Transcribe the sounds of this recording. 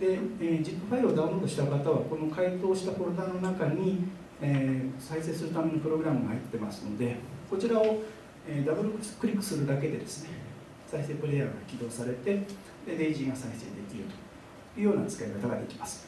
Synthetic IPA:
d̪e̞ed͡ʑipːɯ̟ɸaiɾɯod̪ãɯ̃ɾo̞ːd̪o̞ɕi̥t̪akat̪aβako̞no̞kait̪o̞ːɕi̥t̪apoɾod̪ano̞nakaɲ̟i | esaiseːsɨɾɯ̟t̪ame̞ɲːopɯ̟ɾo̞ɡɯ̟ɾamɯ̟ɡahait̪ːe̞masɨ̥no̞d̪e̞ko̞t͡ɕiɾao̞ | eːd̪abɯ̟ɾokkɯ̟ɾʲikːɯ̥sɨɾɯ̟d̪ake̞d̪e̞d̪e̞sɨ̥ne̞ | saise̞ːpɯ̟ɾe̞ja̰ːɡakʲid̪o̞ːsaɾe̞t̪e̞ | d̪e̞d̪eʑiŋasaise̞̰d̪e̞k̪ʲiɾɯ̟t̪o̞̥ | jɯ̟ːjo̞ːnat͡sɨ̥kaikat̪aɡad̪e̞kʲi̥masɨ̥

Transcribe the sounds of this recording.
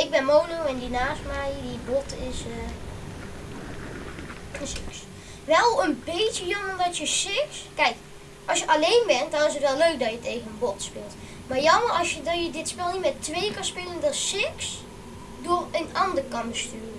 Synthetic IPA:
ɪɡ̚bɛnmownowɛndinaːstmɛjdibotɪs | əsɪks | ʋɛlˠənbejtəjɑmərdɑtjəsɪkskɛjk | ʔɑlˠsjəʔɑlejnbɛntdɑnɪsətʋɛlˠløɥk̚dɑtjətejɣənənbɔtspɪːlˠt | maːɹjɑmərɑsjədɔjədɪtspɪlˠnitmɛtʋejəkɑnspɪːləndɑsɪks | dʊːrənɑndərkɑnbəstyːr

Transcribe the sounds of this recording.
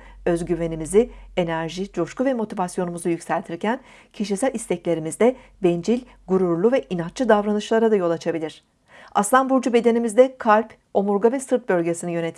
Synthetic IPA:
ø̞zɟyve̞nimizie̞næɾʒid͡ʒo̞ʃkuvɛmo̞t̪ʰivasjo̞numuzujycsælʲt̪ʰiɾcæn | cʰiʃ̬isælʲist̪ʰɛclʲe̞ɾimizd̪ɛ | bɛnd͡ʒilʲ | ɡuɾuɾlˠuvɛʔinat͡ʃt͡ʃːɯd̪avɾanɯʃlˠaɾad̪ajo̞lˠat͡ʃʰabilʲiɾ̥ | aslˠanbuɾd͡ʒube̞d̪e̞nimizd̪ɛkʰalʲp | o̞muɾɡavɛsɯɾt̪̚bø̞lʲɟe̞sinijø̞ne̞t̪ʰi

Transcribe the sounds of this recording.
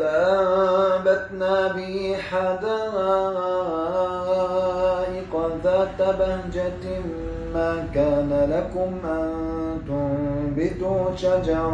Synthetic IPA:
aʔa | bad̪naːbɪiħad̪aɣ | ʔɪqɑðaːt̪abahd͡ʒat̪ | maːkaːnalakʊmʔant̪ʊbɪt̪ʊʃad͡ʒɑɾˤ

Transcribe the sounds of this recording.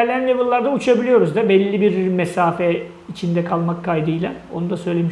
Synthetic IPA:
ɾlʲejænlʲevɯlˠːaɾd̪aut͡ʃʰabilʲijo̞ɾuzd̪abɛlʲːibiɾmɛsaːfɛ | it͡ʃʰind̪ɛkʰalˠmakʰːajd̪ɯjlˠao̞nud̪asø̞jlʲe̞miʃ

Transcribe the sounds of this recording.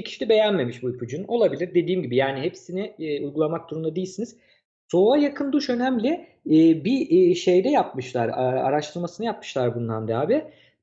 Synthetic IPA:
cʰi̥ʃilʲibe̞jænme̞miʃbujpʰud͡ʒununo̞lˠabilʲiɾd̪e̞d̪iːmɟibijaːniɦe̞psinɪujɡulˠamak̚d̪uɾumd̪ad̪eilʲsiniz̥ | so̞ːajakʰɯnd̪uʃø̞næmlʲɪː | biʃe̞jd̪ɛjap̚mɯʃlˠaɾa̰ɾaʃt̪ʰɯɾmasɯnɯjap̚mɯ̥ʃlˠaɾbunlˠand̪aːbi

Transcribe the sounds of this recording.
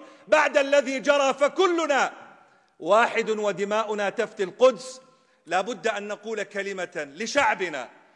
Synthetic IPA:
baʕd̪alːaðid͡ʒɑɾˤɑːfakʊlːʊna | waːħɪd̪wad̪ɪmaːʔʊnat̪aft̪ɪlqʊd̪s | laːbʊd̪ːʔanːaquːlkalɪmalɪʃaʕbɪna̰

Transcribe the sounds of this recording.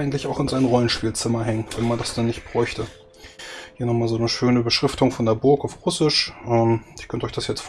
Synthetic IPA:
ɪɡŋ̩tlɪçaʊxɪnzaɪnʁɔlənʃpiːlt͡sɪmɐɦɛŋənvɛnmandasd̥ɛnːɪçt̚b̥ʁɔʏçtə | hiːɐnɔχmaːlzoːnəʃøːnəbəʃʁ̥ɪftʰʊŋfɔndeɐbʊɐkaʊfʁʊsɪʃʔɛːmɪɐkʰœntɔʏçd̥asjɛt͡stf

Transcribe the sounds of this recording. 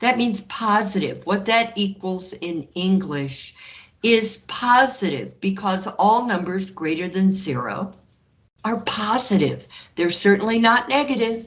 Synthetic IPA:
ðɨt̚mĩnz̥pʰɑzɨɾɪ̰vwʌt̪̚ðɨɾikwəl̩ˠzɪ̃nɪ̃ŋɡlɪʃ | ɪz̥pʰɑzɨɾɪ̰vbɨkʰʌzɔlˠnʌ̃mbə˞zɡɹeɪɾə˞ðɨ̃nzɪɹo̰ʊ | ə˞pʰɑzɨɾɪ̰v̥ðə˞sɜ˞ʔn̩linətⁿnɛɡɨɾɪv̥

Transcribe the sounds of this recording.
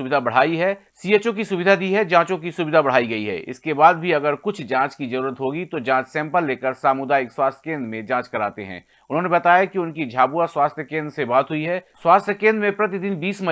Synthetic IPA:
ʊbɪd̪ʱabɐɽ̤aːiɦɛsieːt͡ʃokisʊbɪd̪ʱad̪iɦɛd͡ʒãːt͡ʃõkisʊbɪd̪ʱabɐɽ̤aːiɡɐiɦɛ̰ːʔɪ̰skebaːd̪̚bʱiɐɡəɾkʊt͡ʃʰd͡ʒãːt͡ʃkizɐɾuːɾət̪ɦoːɡit̪od͡ʒãːt͡ʃsɛ̃ːmpəlːeːkəɾsaːmʊd̪aːɪkswaːst̪ʰjə̥kẽːnd̪ɾmẽd͡ʒãːt͡ʃkɐɾaːt̪eɦɛ̰̃ː | ʊnɦõːnebɐt̪aːjakiʊnkid͡ʒʱaːbuaswaːst̪ʰjəkẽːnd̪ɾəsebaːt̪ɦʊiɦɛswaːst̪ʰjəkẽːnd̪ɾmẽpɾɐt̪̬id̪ɪnbiːsmɐ

